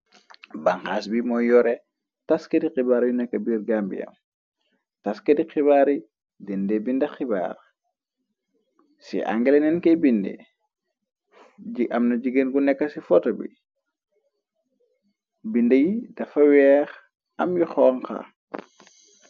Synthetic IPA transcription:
baŋxaːsbimɔjɔɾɛ | taskɐdiqibaːɾjunɛkːɐbirɡambḭjɐ̰m | taskɐdixiβaːɾi | dindebindɐxiba̰ːr | sḭʔa̰ŋɡɛlenɛnkɛbindḛ | iɐmnɐɟiɡenɡunɛkːɐsifɔtɐbḭ | bindɐjid̥ɐfɐwɛːx | ɐmjuxɔŋka̰

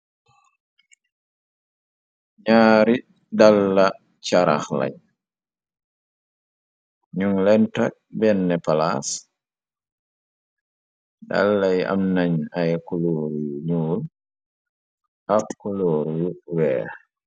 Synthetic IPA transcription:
ɲaːɾi | dalːa | t͡ʃaɾa̰xla̰j | ɲuŋlɛntak̚bɛnːɛpalas | da̰lːaja̰mnaɲajkuloːɾjuɲuːl | abkuloːɾjuwɛ̰ː

